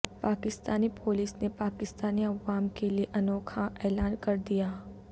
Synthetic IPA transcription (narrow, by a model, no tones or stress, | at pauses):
paːkɪst̪aːnipʰoːliːsnepaːkɪst̪aːniɐʋaːmkelieʔɐnoːkʰaʔɛːlaːnkɐɾd̪ijaː